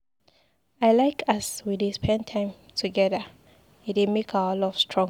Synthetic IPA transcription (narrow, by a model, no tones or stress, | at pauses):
ajlajkʰaswidispʰɛ̃ntʰãj̃m | tʰuɡɛðə | itɛmekʰawəlɔfstʰɹɔ̃ŋ